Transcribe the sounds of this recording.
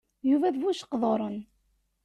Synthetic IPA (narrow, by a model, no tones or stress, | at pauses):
juvæðvuʃə̥qðˤoɾˤən